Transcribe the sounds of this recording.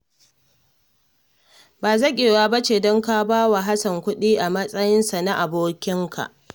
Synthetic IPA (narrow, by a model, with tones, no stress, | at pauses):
baː˨zɐ˦kʲʼeː˨waː˦bɐ˦t͡ʃeː˨dɔ˦ŋka˦baː˦wa˨ɦa˦sɐ˨ŋkʷʊ˦ɗiː˦ʔa˨mɐ˦sʼɐ˦jɪ˦nsa˨na˦ʔa˨boː˦kʲɪ˦ŋkʰa̰˨ʔ